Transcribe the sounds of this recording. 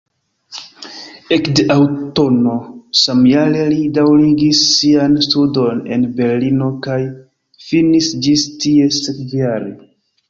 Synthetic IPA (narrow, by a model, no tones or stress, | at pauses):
e̞kdeʔawto̞no̞samjalelidawɾiɡisːianstudo̞ne̞̰nbe̞ɾlino̞kaj | finisd͡ʒistie̞sekjaɾe